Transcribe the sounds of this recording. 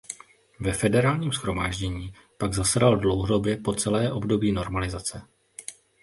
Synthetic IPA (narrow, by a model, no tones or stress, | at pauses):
vɛfɛdɛɾaːlɲiːmsxɾo̞maːʒɟɛɲiː | paɡzasadaldlowɦodo̞bjɛpo̞t͡sɛlɛːʔo̞bdo̞biːnoɾmalɪzat͡sɛ